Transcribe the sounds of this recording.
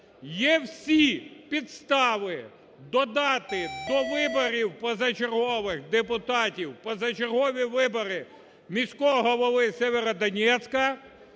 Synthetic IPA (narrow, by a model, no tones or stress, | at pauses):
jɛwsʲipʲid̪st̪ɑʋɪ | d̪ɔd̪ɑt̪ɪd̪ɔʋɪbɔɾʲiwpɔzɐt͡ʃerɦɔʋɪxd̪epʊt̪ɑtʲiwpɔzɐt͡ʃerɦɔʋʲiʋɪbɔɾɪ | mʲisʲkɔɦɔlˠɔʋɪsʲɛʋʲeɾɐd̪ɐnʲɛt̪sʲkɐ